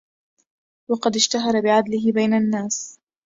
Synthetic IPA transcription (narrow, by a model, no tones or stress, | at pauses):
wɑqɑd̪ɪʃt̪aɦɑɾˤɑbɪʕad̪lɪɦɪbajnanːaːs